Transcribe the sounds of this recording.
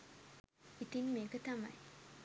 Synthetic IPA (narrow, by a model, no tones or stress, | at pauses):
it̪iŋmeːkət̪ama̰j